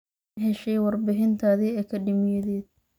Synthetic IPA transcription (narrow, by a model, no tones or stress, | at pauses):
ɦɛʃɛjwɑrbɪɦɪnt̪ʰaːðɛɛːkʰɐɖɪmjɐðɛːd̪̚